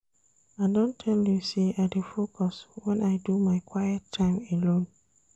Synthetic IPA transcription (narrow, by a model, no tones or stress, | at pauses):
aɪdõntʰɛljuseʔaɪdefokʰɔswɛ̃naɪdumaɪkʰwaɪɛtʰːãɪ̃melõn